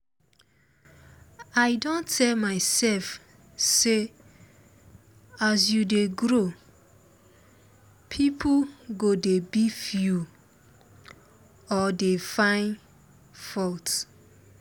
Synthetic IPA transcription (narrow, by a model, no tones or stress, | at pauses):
aɪdõntʰɛlmaɪsɛlf | se | asjudeɡɾo | pʰipʰuɡodebifju | ɔdefãɪ̃n | fɔlt